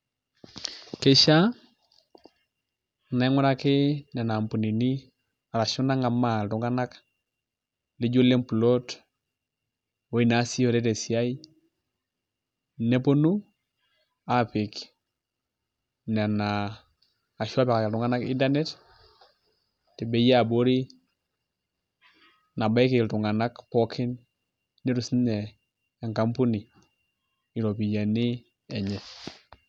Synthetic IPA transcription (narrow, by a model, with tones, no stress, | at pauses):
ke˦ʃa˦ | na˨˦ŋu˦ɾa˦kɪ˦na˨na˨mpu˨ni˨ni˦ | a˨ɾa˨ʃu˦na˦ŋa˨ma˨tu˨ŋɡa˦na˦k | le˦ɟo˦le˦mpu˨lo˦t | wo˦i˨na˨˦si˦o˨ɾe˦te˨si˨a˦i˦ | ne˦po˦nu˦ | a˨pɪ˨k | na˨naː˨ | ʃu˦a˦pɛ˨ka˨kɪ˨ltu˨ŋa˦na˦kḭ˦nda˦nɛ˦t | tɛ˨be˨ja˨bo˦ɾi˦ | na˨ba˦kɪ˨ltu˨ŋa˨na˦kpɔ˦kʰɪ˦nː | e˦ɾu˨snɛ˨ | a˨ŋka˦mpu˦ni˨ | ɪ˨ɾo˨pi˨ja˨ni˦ | ɛ˨ɲɛ˨